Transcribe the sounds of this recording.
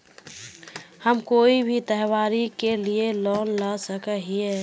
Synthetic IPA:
həmkoːibʱit̪əɦwaːɾikelielɔːnlasəkəɦie

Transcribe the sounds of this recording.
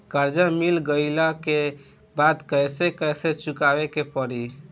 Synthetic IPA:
kəɾd͡ʒamilɡəɪlake | bad̪kəjsekəjset͡ʃukabekepəɾi

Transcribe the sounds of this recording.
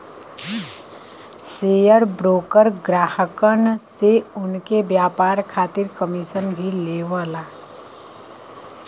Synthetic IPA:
sejəɾbɾoːkəɾɡɾaːhəkənseʊnkebjaːpaːɾkʰaːt̪ɪɾkəmisənbʱileːʋəla

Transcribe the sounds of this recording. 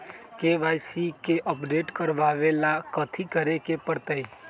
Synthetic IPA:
keʋajsikeʔəpɖeːʈkəɾʋaʋelakət̪ʰikəɾekepəɾt̪əi

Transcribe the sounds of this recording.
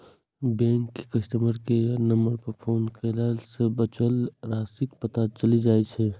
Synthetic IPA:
bɛ̃ːŋkːekəʃʈ̪əməɾkenəmbəɾpəɾpʰoːnkʰelaːlsebət͡ʃəlɾaːsikpət̪at͡ʃəlid͡ʒaːet͡ʃʰɛ

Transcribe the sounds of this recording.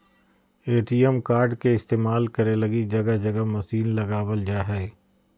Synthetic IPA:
eːʈiːɛmkaːɾɖkeɪst̪eːmaːlkɐɾelɐɡid͡ʒɐɡad͡ʒɐɡamɐsiːnlɐɡaːwəld͡ʒaːɦɛː

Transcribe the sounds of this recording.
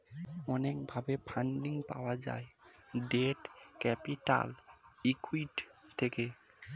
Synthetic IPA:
ɔnek̚bʱabepʰaɳɖiŋpa̰oad͡ʑa̰eɖeʈkɛpiʈa̰likuiʈ̪ʰːeke

